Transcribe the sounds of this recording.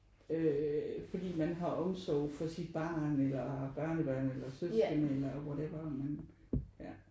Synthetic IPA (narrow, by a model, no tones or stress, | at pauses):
øfɒ̽d̥ḭːmænɦɑ̈ʔɒ̽msɒʊfɒ̽sid̥̚b̥ɑ̰̈ːnelɐb̥ɶɐnəb̥ɶɐnelɐsøsɡ̥ənelɐɒʋɒɾ̥æb̥ɑ̰mæn | æ